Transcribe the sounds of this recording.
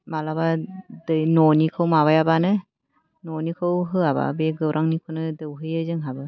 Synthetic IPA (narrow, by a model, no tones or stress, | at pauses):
malabadɯjnɔnikʰɯwmaβajabanɯ | nɔnikʰɯwɦɯaba̰beɡɯwɾʔaŋnikʰɯnɯdɯwɦɯjɯzɯŋɦabɯ